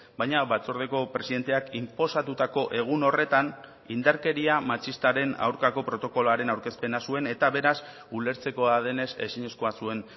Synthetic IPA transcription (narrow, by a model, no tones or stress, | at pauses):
bajɲaβat͡soɾðeko̞pɾe̞siðe̞nt̪e̞akimpo̞sat̪ut̪ako̞ʔe̞ɣ̞uno̞re̞t̪an | ind̪aɾke̞ɾiamat͡ʃist̪aɾe̞na̰wɾkako̞pɾo̞t̪o̞ko̞loaɾe̞nawɾke̞spe̞nasue̞ne̞t̪aβe̞ɾas | ule̞ɾt͡se̞ko̞aðe̞ne̞se̞̰siɲe̞sko̞asue̞n